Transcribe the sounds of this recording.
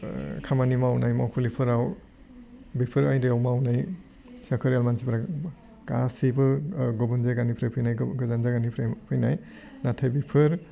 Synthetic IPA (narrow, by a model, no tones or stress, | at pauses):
kʰamanimawnajmawkʰulipʰɯɾaw | bipʰɯɾajdejawmawnaj | sakʰɯɾjalmansipɾa | kasibɯɡɔbunzaɡanipʰɾepʰɯjnajɡɯzanzaɡanipʰɾepʰɯjna̰j | natʰajbipʰɯɾ